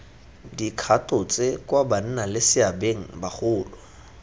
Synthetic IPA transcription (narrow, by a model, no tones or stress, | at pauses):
dikʰatʼʊt͡sʼekwaban̩nalɪsɪabeŋ̩baχʊːlʊ